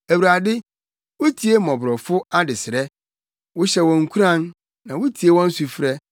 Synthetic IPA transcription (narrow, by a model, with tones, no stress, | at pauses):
æ˨wu˨ɾa˨dɪ˦ | wʊ˦tʰi˨˦e˦mɔ̃˨bɾɔ˨fʊ˦a˦dɪ˨sɪ˨ɾɛ˦ | wʊ˦ɕɛ˦wɔ̃˨ŋ̩˦kʰu˦ɾã˦˨nː | ã˨wʊ˦tʰi˨e˦wɔ̃˦n̩˦su˨fɾɛ˦